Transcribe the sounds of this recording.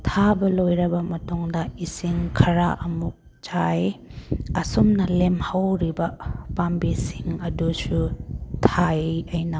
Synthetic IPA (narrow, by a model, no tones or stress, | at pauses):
tʰabɐlojɾɐbɐmɐtuŋdɐisiŋkʰɐɾaʔɐmuk̚ | d͡ʒaj | ɐsumnɐlemhawɾibɐpambisiŋɐdusutʰajɐjnɐ